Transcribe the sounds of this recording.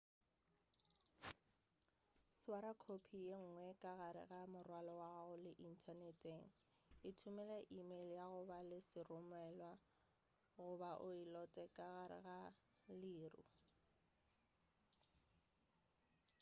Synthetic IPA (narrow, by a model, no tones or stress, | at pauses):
swaɾakʰopʰijeŋ̩ŋwɛkʼaɣaɾɪ̰ɣamʊrwalɔwaɣʊlɪʔin̩tʰanɛtʼeŋ̩ | ɪtʰʊmɛlɛʔimeljaɣʊbalɪsɪrʊmwɛlwa | ɣʊbaʔʊilɔtʼɛkʼaɣaɾɪ̰ɣa | liːrʊ̰